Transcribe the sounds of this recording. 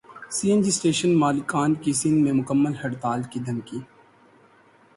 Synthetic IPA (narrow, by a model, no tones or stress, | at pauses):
siːẽnd͡ʒisʈeːʃənmaːlɪkaːnkisɪnmẽmʊkəmːəlhɐɖt̪aːlkid̪ʱɐnkiː